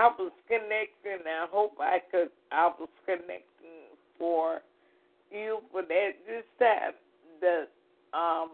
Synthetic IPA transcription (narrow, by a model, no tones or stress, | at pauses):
aɪwʌz̥kɨnɛk̚tɪ̃ŋɨaɪɦoʊpa̰ɪkɨɾ̚ | ʔaɪwʌz̥kɨnɛ̰k̚tɪ̃ŋ | fə˞ | jʉbʌɾɨtd͡ʒɪstæ̰n̚ | ðɨt̚ | ʔʌ̃m